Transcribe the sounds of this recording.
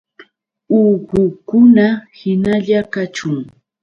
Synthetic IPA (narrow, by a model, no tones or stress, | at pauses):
uːɢʊkʊnahɪnaʎakat͡ʃʊŋ